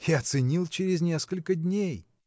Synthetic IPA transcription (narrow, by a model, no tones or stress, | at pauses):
jat̪sɨnʲilˠt͡ɕɪɾʲɪzʲnʲeskəlʲkəd̪ʲnʲej